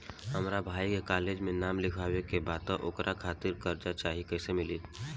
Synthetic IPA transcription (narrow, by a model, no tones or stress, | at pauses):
ɦɐmɾabʱaːikekaːleːd͡ʒmẽnaːmlɪkʰaːwekebaːt̪aʔʊkɾʔakʰaːt̪ɪɾkɐɾd͡ʒat͡ʃaːɦikɛːsemɪliː